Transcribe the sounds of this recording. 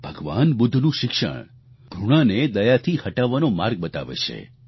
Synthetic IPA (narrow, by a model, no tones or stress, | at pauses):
bʱəɡʋa̰nbʊd̪ʱːnũʃɪkʃə̰ɳ̃ | ɡʱuɽ̃aned̪əjat̪ʰihəʈaʋanomaɾɡ̚bət̪a̰ʋḛt͡ʃʰḛ